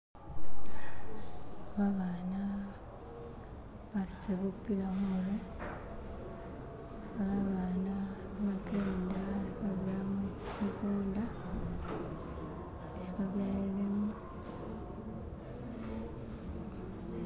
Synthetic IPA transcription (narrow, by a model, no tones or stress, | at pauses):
βaβana | βasseβupːilammuɾe | βaβaβana | βakendaβaβulam | mukuːnda | esiβaβjaelema